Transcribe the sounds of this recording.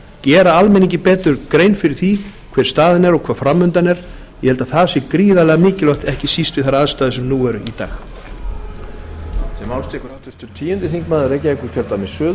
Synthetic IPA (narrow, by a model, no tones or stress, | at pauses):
cɛːɾaalmɛniŋcɪpɛːt̪ʏɾkɾeːjnfɪɾɪɾ̥θikʰvɛːɾ̥st̪aːðɪnɛɾɔɣkʰvaːðfɾamːʏnt̪anɛɾ̥ | jɛhɛlt̪aðθasɪkɾiːðalɛɣamɪːcɪlœht̪ɛhcɪsist̪vɪðθaɾaðst̪aːðʏsɛmnuːɛɾʏit̪a̰ːx | sɛmawst̪ɛkɾaht̪ʏɾt̪ʏɾ̥t̪ʰiːjʏnt̪ɪθiŋkmaːðɪɾejcaikʏɾ̥cʰœɾt̪amɪsœːð